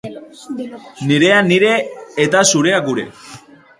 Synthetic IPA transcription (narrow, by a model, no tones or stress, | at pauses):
niɾe̞aniɾe̞ːt̪asuɾe̞aɡuɾe̞̰